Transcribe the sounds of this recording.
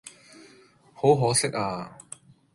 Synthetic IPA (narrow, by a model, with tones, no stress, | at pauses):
ho˨˥wɦɔː˨˥sɪ˥k̚aː˧